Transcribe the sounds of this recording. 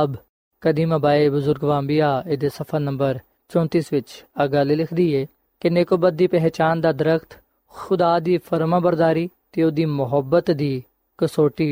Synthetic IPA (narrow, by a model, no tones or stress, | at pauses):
əb | kəd̪iːmabaːeːbʊzʊɾɡʋaːmbijaːed̪eːsəpʰəɾnəmbəɾ | t͡ʃɔ̃ːnt̪iːsʋɪt͡ʃəɡaːlelɪkʰd̪iːeː | kɪneːkoːbət̪̚d̪iːpɛɦt͡ʃaːnd̪aːd̪əɾəkʰt̪ | xʊd̪aːd̪iːpʰəɾmãːbəɾd̪aːɾiːt̪eod̪iːmʊɦəbːət̪d̪iː | kəsoːʈiː